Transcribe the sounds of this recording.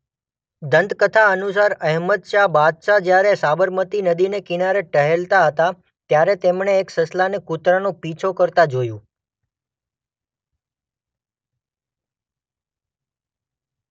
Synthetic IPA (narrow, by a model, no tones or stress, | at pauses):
d̪ənd̪kət̪ʰaənusaɾəɦməd̪t͡ʃabad̪ʃad͡ʒjaɾesabəɾmət̪inəd̪inekinaɾeʈəɦelt̪aɦət̪a | t̪jaɾet̪emɳeːksəslanekut̪ɾanõpit͡ʃʰokəɾt̪ad͡ʒojũ